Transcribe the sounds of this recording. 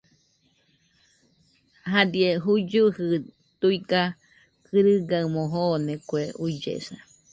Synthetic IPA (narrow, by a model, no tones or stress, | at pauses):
ɦad̪ieɦud͡ʒuhɨ | t̪uika | kʰɨɾɨɡaɨmõɦonekueuid͡ʒḛsa